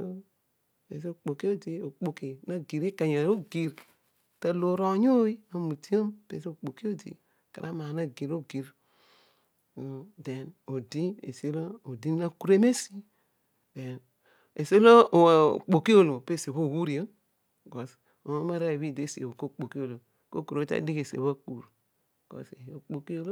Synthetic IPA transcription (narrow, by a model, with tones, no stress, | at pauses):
o˦ | ḛ˨s̬o˨k͡po˨ki˦o˦di˦o˨k͡po˨ki˨na˦ɡi˨ɾi˦ka˨ɲa˨ɾo˦ɡi˨ɾ | ta˦lo˨ɾo˨˦ɲo˦i˦a˦mu˨ti˦o˦mpḛ˨so˨k͡po˨ki˦o˦dḭ˨ | ka˨ɾʔa˦ma˨na˦ɡi˨ɾo˦ɡi˨ɾ | o˨de˨no˨di˦ḛ˨se˦lo˦o˨di˦a˦ku˦ɾe˦me˦si˦ | de˨n | e˨se˦lo˦o˨k͡po˨ki˦o˦˨lo˨pe˦se˨βo˦˨wu˦ɾi˨o˦ | ɡo˨s | o˨mo˦ma˦ɾa˦˨βi˦de˦si˨e˨o˨ko˦˨k͡po˨ki˦o˨lo˨ | ko˦ku˨ɾo˨˦ta̰˦di˦ke˨sḛ˨βa˦k͡pu˨ɾ | ɡ̥o̰˨se˨o˨k͡po˨ki˦o˦lo˦